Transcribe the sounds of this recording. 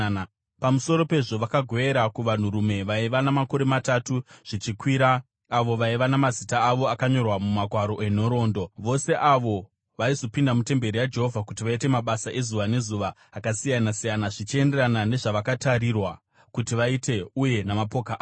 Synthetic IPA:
pamuso̞ɾo̞pe̞ʐo̞ʋakaɡʱo̞eɾakuʋan̤uɾume̞ʋaiʋanamako̞ɾe̞matatuʐ̥it͡ʃikwiːɾaː | ʋo̞ʋaiʋanamazitaːʋo̞akaɲo̞rwamumaɡʱwaɾo̞ʔe̞n̤o̞ɾo̞ːndo̞ʋo̞se̞ʔaʋo̞ | ʋaizo̞pindamute̞mbe̞ɾijad͡ʒe̞ɦo̞vʱakutiʋaite̞maɓasaʔe̞zuʋane̞zuʋaː | kasijanasijanaʐit͡ʃie̞nderanane̞ʐaʋakataɾirwa | kutiʋaite̞uje̞namapo̞kaʔ

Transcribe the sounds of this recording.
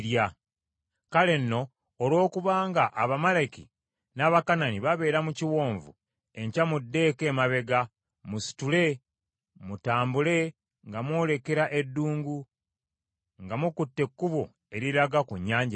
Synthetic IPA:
ja | kale̞nːo̞ː | lwo̞ːkuβaːŋɡaʔaβamalaki | naːβakananiβaβe̞ːɾamuciwo̞ːɱvṵ | e̞ɲcamudːe̞ːke̞ːmaβe̞ɡa | musi̥tule̞ | mutaːmbule̞ | ŋɡamwo̞ːle̞ke̞ɾaʔe̞dːuːŋɡu | ŋɡamukutːe̞kːuβo̰ | e̞ɾiɾaɡakuɲːaːɲɟa

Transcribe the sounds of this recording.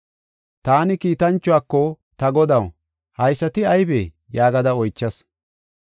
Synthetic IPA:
t̪aːnɪkiːt̪ɐnt͡ʃːʊaːkːɔ | t̪ɐɡɔd̪ɐw | hɐjsːɐt̪ɪɐjbeː | jaːɡɐd̪ɐɔjt͡ʃːɐs

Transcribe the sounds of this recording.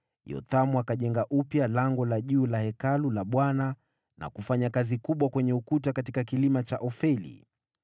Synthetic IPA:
jɔ̰t̪amuakaʄɛŋɡaʔupjalaŋɡɔlaʄuːlahɛkalulaɓwana | nʔa̰kufaɲakazikuɓwakwɛɲɛukutakatikakilimat͡ʃaʔɔfɛlḭ

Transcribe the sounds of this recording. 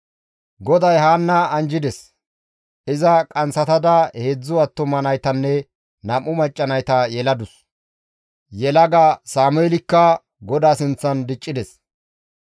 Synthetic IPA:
ɡɔd̪ɐjɦaːnːɐɐnd͡ʒɪd̪ɛs | ʔɪzɐkʼɐnsɐt̪ɐd̪ɐheːd͡zːʊɐt̪ːɔmɐnɐjt̪ɐnːɛ | nɐmːʊmɐt͡ʃʼːɐnɐjt̪ɐjɛlɐd̪ʊs | jɛlɐɡasaːmʊeɛlɪkːɐ | ɡɔd̪aːsɪnt͡sːɐnd̪ɪt͡ʃʼːɪd̪ɛs

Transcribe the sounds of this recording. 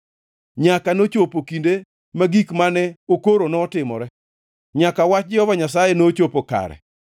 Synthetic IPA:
ɲakanot͡ʃopokinde | maɡikmanɛokoɾonɔːtɪmɔ̰ɾɛ | ɲakawat͡ʃd͡ʒɪɔvaɲas̬ajɛnot͡ʃopoka̰ɾɛ̰

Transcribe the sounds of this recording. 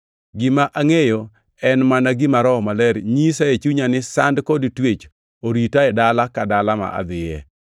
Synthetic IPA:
ɡɪmaʔaŋejo | ɛnmanaɡɪmaɾɔmalɛɾɲisaet͡ʃuɲanɪsandkodtwet͡ʃ | oɾitaɛdalakadalama̰ʔa̰d̪ɪjɛ̰

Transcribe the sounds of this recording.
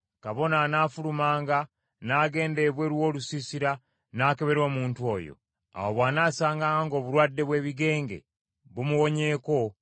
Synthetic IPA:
kaβo̞nanaːfulumaːŋɡa | naːɡe̞ːnde̞βwe̞ɾwo̞ːlusisiɾa | naːke̞βe̞ɾo̞ːmuːntuo̞̰ːjo̰ | a̰woβwaːnaːsaːŋɡaŋaŋɡo̞ːβuɾwaːdːe̞βwe̞ːβiɡe̞ːŋɡe̞̰ | βumuwo̞ɲe̞ːko̞

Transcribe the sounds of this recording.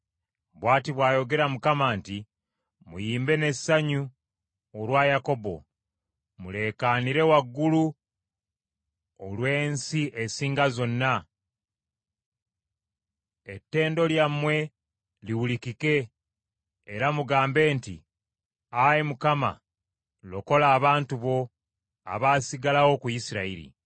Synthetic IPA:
bwaːtiβwaːjo̞ɡe̞ɾamukamanti | mṵjiːmbe̞ne̞ssaɲu | olwajako̞bo̞̰ | mule̞kaniɾe̞waɡːulu | olwe̞ːnsiʔesiːŋɡazo̞nːa | etːe̞ːndo̞ljamːwe̞ | liwulikike̞ | ɾamuɡaːmbe̞ːntḭ | ajimukama̰ | loko̞laːβaːntuβo̞ | a̰βaːsiɡalawo̞kujisiɾaiɾḭ

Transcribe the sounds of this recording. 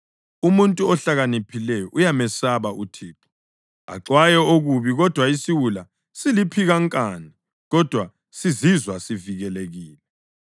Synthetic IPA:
umuntʼuɔɬaɣanipʰilɛjɔʔujamɛsaβaʔutʰiːǁʰɔ̥ | a̰ǁwajɛoɣuβiɣɔd̥ʱwaisiwula | silipʰiɣaŋkʼani | ɣɔd̥ʱwa | sizizwasiviɣɛleɣiːlɛ

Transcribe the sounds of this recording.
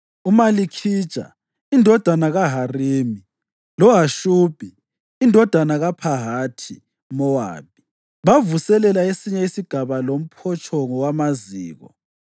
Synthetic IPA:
umalikʰi̥t͡ʃʼa̰ | indʱɔd̥ʱanaɣaɦariːmi | lɔɦaʃuːb̥ʱiː | ndʱɔd̥ʱanaɣapʰaɦaːtʰi | mɔwa̰ːp̚i̥ | βavusɛlɛlaesiɲɛisiɡ̥ʱaβalom̩pʰɔt͡ʃʼʰɔŋɔwamaziːɣɔ̰

